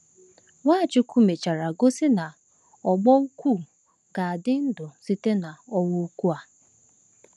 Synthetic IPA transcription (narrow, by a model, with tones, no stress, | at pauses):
ŋa˦˨t͡ʃɪ˦ku˦me˨t͡ʃa˨ɾa˨ɡo˦sɪ˦na˨ | ɔ˨ɡ͡bɔ˦u˦kʷu˦˨ | ɡ̥a˨a˨dɪ˦n̩˦dʊ˨si˦te˦na˨ɔ˦wʊ˦u˦kʷu˦a˨